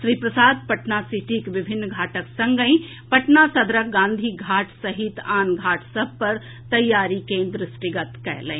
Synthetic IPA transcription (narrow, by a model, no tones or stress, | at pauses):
ʃɾiːpɾɐsaːd̪pɐʈnasiʈikʋɪbʱɪnːɡʱaːʈəksɐ̃ŋɡəĩ | pɐʈnasɐd̪ɾɐkɡãːnd̪ʱiɡʱaːʈʰsɐɦɪt̪aːnɡʱaːʈʰsɐb̚pɐɾ | t̪ɐjːaːɾikẽnd̪ɾɪsʈiɡɐt̪kɛ̰ɦlə̰ĩ